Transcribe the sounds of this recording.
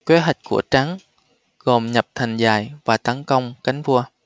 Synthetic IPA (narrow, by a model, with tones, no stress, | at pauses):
kwe˨˦ɦa˨˩jk̟̚kṵ˧˩ət͡ɕa˨˦ŋ | ɣo˨˩mɲə˨˩p̚t̪ʰa˨˩jŋ̟zaː˧˩jvaː˨˩t̪ə˨˦nkə˧wŋ͡mka˨˦jŋ̟vu˧ə